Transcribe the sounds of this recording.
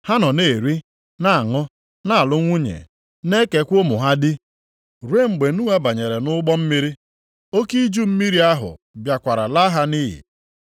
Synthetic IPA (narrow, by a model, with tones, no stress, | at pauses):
ha˦nɔ˨ne˨ɾi˦ | na˦a˨ŋɔ˦ | na˦˨a˨lʊ˦ŋʷu˦ɲḛ˨ | ne˦ke˨kʷo˦mʊ˨ɦa˦dɪ˦ | ɾe˦˨ŋ͡m̩˨ɡ͡be˨nu˦a˦ba˨ɲe˨ɾe˨nʊ˦ɡ͡bɔ˦m̩˦mi˦ɾi˦ | o˦ki˦d͡ʒu˦m̩˦mi˦ɾi˦a˦ɦʊ̰˨ | bja˨kʷa˨ɾa˨la˦ɦa˦ni˦ɦɪ̰˨